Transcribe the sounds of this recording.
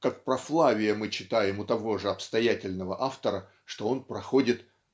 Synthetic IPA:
kak̚pɾɐflˠavʲɪjəmɨt͡ɕːɪt̪ajɪmʊt̪ɐvo̞ʐɨɐpst̪ɐjætʲɪlʲnəvəʔaft̪əɾə | ʂt̪o̞o̞npɾɐxo̞dʲɪt̪

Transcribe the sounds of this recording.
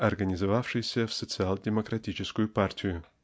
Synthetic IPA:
ɐrɡənʲɪzɐvafʂɨjsʲəfsət̪sɨalˠdʲɪməkɾɐtʲit͡ɕɪskʊjʊpartʲɪjʊ

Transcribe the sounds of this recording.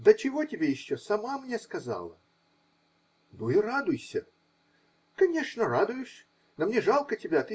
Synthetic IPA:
d̪ət͡ɕɪvo̞tʲɪbʲejɪɕːosɐmamnʲeskɐza̰lˠə̰ | nuɪrad̪ʊjsʲə | kɐnʲe̞ʂnərad̪ʊjɪʂ | nomnʲeʐalˠkətʲɪbʲat̪ɨ

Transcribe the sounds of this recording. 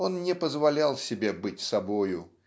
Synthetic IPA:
o̞nnʲɪpəzvɐlʲalˠsʲɪbʲebɨtʲsɐbo̞jʊ

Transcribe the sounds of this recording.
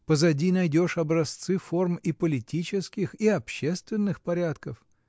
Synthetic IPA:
pəzɐdʲinɐjdʲo̞ʂɐbɾɐst̪sɨfo̞rmipəlʲɪtʲit͡ɕɪskʲɪxiɐpɕːe̞st̪vʲɪnːɨxpɐɾʲat̪kəf

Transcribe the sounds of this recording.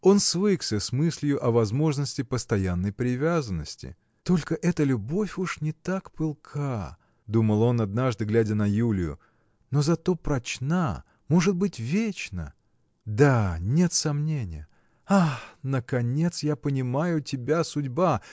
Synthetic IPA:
o̞nsvɨksʲəsmɨsʲlʲjʊʔɐvɐzmo̞ʐnəsʲtʲɪpəst̪ɐjanːəjpɾʲɪvʲazənːəsʲtʲɪ̰ | t̪o̞lʲkəʔɛt̪əlʲʊbo̞fʲuʂnʲɪt̪akpɨlˠkʰa | d̪uməlˠo̞nɐd̪naʐd̪ɨɡlʲædʲənɐjulʲɪjʊ̰ | no̞zɐt̪o̞pɾɐt͡ɕna | mo̞ʐɨt̪̚bɨtʲvʲet͡ɕnə̰ | d̪anʲe̞t̪sɐmnʲenʲɪ̰jə | anəkɐnʲe̞t̪sjapənʲɪmajʊtʲɪbʲasʊdʲba

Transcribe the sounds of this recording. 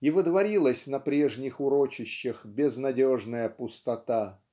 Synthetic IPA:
ivɨd̪vɐɾʲilˠəsʲnɐpɾʲe̞ʐnʲɪxʊɾot͡ɕɪɕːɪxbʲɪznɐdʲoʐnəjəpʊst̪ɐt̪a

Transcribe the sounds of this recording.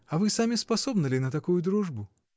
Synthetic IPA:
ɐvɨsamʲɪspɐsobnɨlʲɪnət̪ɐkujʊd̪ɾuʐbʊ

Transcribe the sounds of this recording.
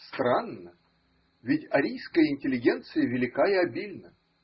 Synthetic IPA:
st̪ɾanːə | vʲɪtʲɐɾʲijskəjɪnʲtʲɪlʲɪɡʲent̪sɨjɪvʲɪlʲɪkaiɐbʲilʲnə

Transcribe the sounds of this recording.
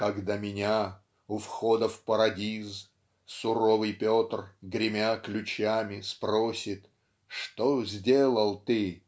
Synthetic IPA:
kɐɡd̪amʲɪnʲa | ʊfxod̪əfpəɾɐdʲiz | sʊɾo̞vɨjpʲot̪rɡɾʲɪmʲaklʲʉt͡ɕamʲɪsprosʲɪt̪ | ʂt̪ozʲdʲelˠəlˠt̪ɨ

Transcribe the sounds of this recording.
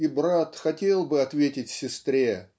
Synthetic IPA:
ibɾat̪xɐtʲe̞lˠbɨɐt̪vʲetʲɪtʲsʲɪst̪ɾʲe

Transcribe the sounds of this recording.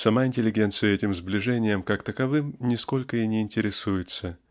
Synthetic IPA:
sɐmaɪnʲtʲɪlʲɪɡʲe̞nt̪sɨjəɛtʲɪmzblʲɪʐɛnʲɪjəmkakt̪əkɐvɨmnʲɪsko̞lʲkəinʲɪɪnʲtʲɪɾʲɪsujɪt̪sə

